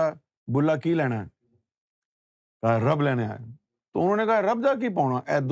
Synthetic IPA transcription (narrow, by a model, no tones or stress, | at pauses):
aː | bʊlːaːkiːlɛːɽ̃aːɛ | kaɦaɾəblɛːñea̰ːe | t̪oʊnõːnekaɦaɾəbd̪aːk̬iːpaːɽ̃aːʔɛːd̪